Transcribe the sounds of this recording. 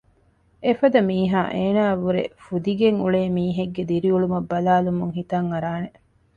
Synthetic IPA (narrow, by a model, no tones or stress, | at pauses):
efɐd̪ɐmiːɦaːʔeːnaːʋuɾḛfud̪iɡeŋuɭeːmiːɦeɡːed̪iɾiuɭumɐbːɐlaːlumuŋhit̪ɐŋɐɾaːne